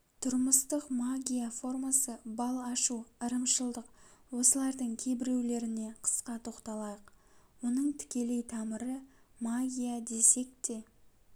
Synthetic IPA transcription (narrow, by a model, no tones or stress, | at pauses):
t̪ʰʊɾməst̪əqmaɡʲijafo̞rmasəbɑlˠɑʃuəɾəmʃəlˠd̪əqwo̞səlˠɑɾd̪əɴkʲʰe̞jbɪɾe̞wle̞ɾɪne̞qʰə̥sqɑt̪ʰo̞qt̪ɑlˠɑjəqwo̞nəɴt̪ʰɪ̥kʲe̞le̞jt̪ʰɑməɾəmaɡʲijad̪e̞se̞k̚t̪e̞